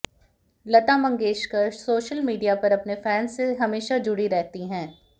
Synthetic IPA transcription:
lɐt̪amɐ̃ŋɡeːʃkɐsoːʃəlmiːɖijapɐɾɐpnefɛːnseɦɐmeːʃad͡ʒʊɽiɾɛɦt̪iɦɛ̃ː

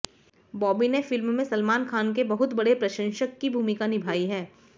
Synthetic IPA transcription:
bɔːbinefɪlmːẽsɐlmaːnkʰaːnk̬ebɐɦʊt̪bɐɽepɾɐʃə̃nʃəkːibʱuːmɪkanɪbʱaːiɦɛː

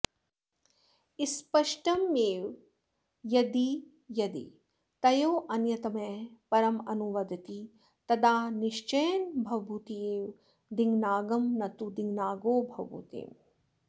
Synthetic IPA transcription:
ispɐʃʈɐmeːw | jɐd̪i | jɐd̪ḭ | t̪ɐjoːʔɐnjɐt̪ɐmeːpɐɾɐmɐnuʋɐd̪ʱɐt̪i | t̪ɐd̪aːniʃt͡ʃɐjnbʱɐwbut̪ieːʋ | d̪iŋɡnaːɡɐmnɐt̪ud̪iŋɡnaːɡoːbʱɐʋbʱṵt̪ḛːm

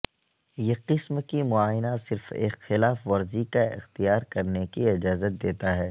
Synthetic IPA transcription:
jeqɪsmkimʊaːɪnasɪɾfḛːkxɪlaːfʋɐɾzikaɪ̰xt̪ijaːɾkɐɾnekiɪd͡ʒaːzət̪̚d̪eːt̪aɦɛː

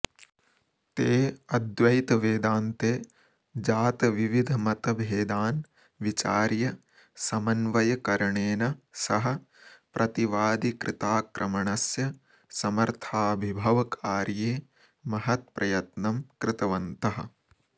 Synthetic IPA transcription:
t̪eːɐd̪ʋɐjt̪ɐʋeːd̪aːnt̪eː | d͡ʒaːt̪ɐʋiʋid̪ʱɐmɐt̪ɐbʱeːd̪aːn | ʋit͡ʃaːɾjɐ | sɐmɐnʋɐjɐkɐɾɐɳeːnɐsɐɦɐ̆ | pɾʔɐt̪iʋaːd̪ikɾʔɪt̪aːkɾʔɐmɐɳɐsjɐ | sɐmɐɾt̪ʰaːbʱibʱɐʋɐkʰaːɾjeː | mɐɦɐt̪̚pɾʔɐjɐt̪nɐmkɾɪt̪ɐʋɐnt̪ɐɦɐ̆

